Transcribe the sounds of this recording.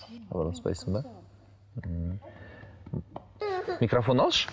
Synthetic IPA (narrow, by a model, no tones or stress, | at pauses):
χɑ̰bɾlˠɑspɑ̰jsəŋba | mʲikrafonɑlˠʃ